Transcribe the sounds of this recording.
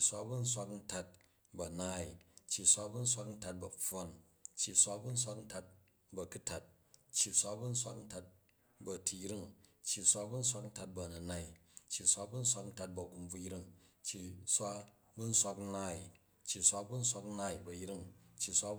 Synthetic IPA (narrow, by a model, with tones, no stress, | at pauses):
i˨sʷa˦bu˦n̩˦sʷa˧kn̩˦ta˧t̚ | bɐ˨naː˦i˨t͡ʃːji˨sʷa˦bu˦n̩˦sʷa˦kn̩˦ta˧t̚bɐ˨ɸo˦n | t͡ʃːi˨sʷa˦bu˦n̩˦sʷa˦kn̩˦ta˧t̚ | bɐ˧ku˦ta˨t̚ | t͡ʃːji˨sʷa˦bu˦n̩˦sʷa˦kn̩˦ta˧t̚ | bɐ˧tʰi˧jɾi˦ŋt͡ʃːi˨sʷa˦bu˦n̩˦s̬ʷa˧kn̩˦ta˧t̚bɐ˧˨nɐ˨na˦i˨t͡ʃːi˨sʷa˦bu˦n̩˦sʷa˦kn̩˦ta˧t̚bɐ˨ɡu˧mb͡vu˧jɾi˦ŋt͡ʃːi˨sʷa˦ | bu˦n̩˦sʷa˧kn̩˦naː˦i˨ | t͡ʃːi˨sʷa˦bu˦n̩˦sʷa˧kn̩˦na˧i˨bɐ˨jɾi˦ŋt͡ʃːi˨˧sʷa˦